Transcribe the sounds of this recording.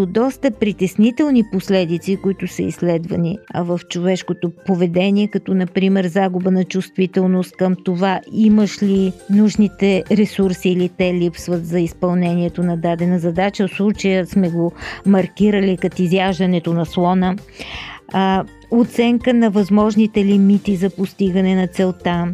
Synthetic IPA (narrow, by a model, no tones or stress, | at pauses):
od̪ɔst̪əpɾit̪ɛsnit̪ɛlˠniposlɛd̪it̪sikʊit̪ʊsəḭslɛd̪vəniɐvəft͡ʃovɛʃkot̪opovɛd̪ɛniɛkɐt̪ɔnɐpɾimɛɾzaɡubənɐt͡ʃust̪vit̪ɛlˠnost̪̚kəmt̪ovaiməʃlinuʒnit̪ɛɾɛsuɾsiːlit̪ɛlipsvət̪zɐispɐlˠnɛniɛt̪onɐd̪ad̪ɛnəzɐd̪at͡ʃəfslˠut͡ʃəjəsmɛɡomɐɾkʲiɾəlikɐt̪izjaʒd̪ɐnɛt̪onɐslˠɔnə | ot̪sɛŋkənɐvɐzmɔʒnit̪ɛlimit̪izɐpost̪iɡənɛnɐt̪sɛlˠt̪a